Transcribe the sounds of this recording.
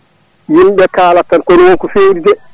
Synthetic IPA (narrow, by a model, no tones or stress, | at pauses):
jimɓɛkaːlatːankonwonkufeːɾid͡ʒɛ